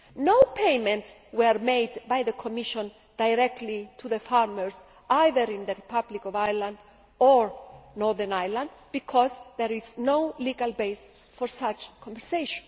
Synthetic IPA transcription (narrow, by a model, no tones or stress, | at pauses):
nowpʰejmɛ̃ntswɛɾmejd̪bajðəkʰɔmiʃɔ̃n | d̪̥ajɾɛk̚t̪lit̪ʰuðəfaɾməɹs | ʔajðəɾĩnd̪əɹipʰablikɔvajlãnd̪ | ɔɹnɔɹðənajlãnd̪bikʰɔzðɛɾiznowliɡalbejs | fɔɾsat͡ʃkʰɔ̃mvɛɾseʃɔ̃n